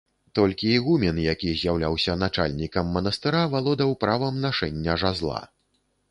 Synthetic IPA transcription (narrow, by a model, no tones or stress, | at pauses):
t̪ɔlʲkʲiːɣumʲɛnjakʲizʲjawlʲawsʲɐnat͡ʂa̰lʲnʲikɐmːɐnɐst̪ɨɾavalˠɔd̪ɐwpɾavɐmnaʂɛnʲːɐʐazlˠa̰